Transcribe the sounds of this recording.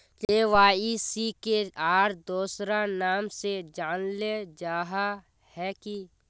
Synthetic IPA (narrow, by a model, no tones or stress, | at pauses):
t͡ʃeːʋaːisikeaːɾd̪oːsɾanaːmsed͡ʒaːnled͡ʒaːɦa | hɛki